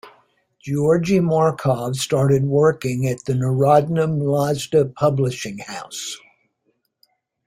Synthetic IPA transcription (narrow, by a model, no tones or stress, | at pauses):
d̥ʒ̥ɔɹd͡ʒimɔɹkʰɑv̥stɑɹɾɨd̚wɜ˞kɪ̃ŋɨt̪̚ðɨnə˞ɑdⁿn̩ə̃mlɑzdɨpʰʌblɨʃɪ̃ŋhaʊs